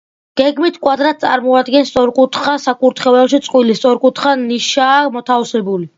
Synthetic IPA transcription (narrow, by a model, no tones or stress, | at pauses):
ɡ̥ɛɡmit̪ʰkʼwad̪ɾat̪̚ʰt̪sʼaɾmɔad̪ɡɛnst̪sʼɔɾkʼut̪ʰχasakʼuɾt̪ʰχɛɛpʃit̪sʼqʼwilist̪sʼɔɾkʼut̪ʰχaniʃaːmɔt̪ʰafsɛbuli